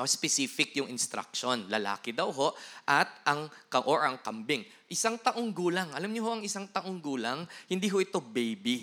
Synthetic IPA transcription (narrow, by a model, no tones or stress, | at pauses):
ospɛsiːfɪkjʊŋɪnst̪ɾa̰k̚ʃonlɐla̰ːkɪd̪ɐwɦo̞ʔʔɐt̪̚ʔɐŋkɐʔoɹʔɐŋkɐmbɪŋ | ʔɪsaŋt̪ɐʔo̞ŋɡuːlaŋʔɐlamɲoɦo̞ʔɐŋɪsaŋt̪ɐʔoŋɡuːlaŋhɪnd̪iɦoʔɪt̪o̞bejbi